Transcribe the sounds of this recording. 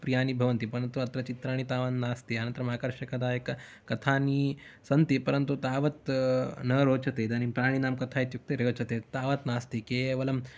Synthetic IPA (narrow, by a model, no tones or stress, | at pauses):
pɾijaːnibʱɐʋɐnt̪ipɐɾɐnt̪uɐt̪ɾɐt͡ʃit̪ɾaːɽ̃it̪aːʋannaːst̪iɐnɐ̃nt̪ɾɐmaːkɐɾʂɐkɐd̪aːjekɐ | kɐt̪ʰaːnisɐnt̪ipɐɾɐnt̪ut̪aːʋɐt̪nɐɾoːt͡ʃɐt̪eːd̪ɐnipɾaːɽ̃inaːmkɐt̪ʰaːit̪juk̚t̪eɾeʋt͡ʃɐt̪eːt̪aːʋɐt̪naːst̪ikeːʋɐlɐm